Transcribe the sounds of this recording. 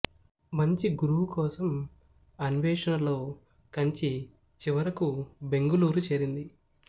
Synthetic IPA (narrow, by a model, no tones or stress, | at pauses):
mɐɲt͡ʃiɡuɾuwukɔːsɐm | ɐniʋɛːʂɐnɐlo̞ː | kɐɲt͡ʃi | t͡ʃiʋɐɾɐkube̞ŋɡuluːɾut͡ʃeːɾind̪i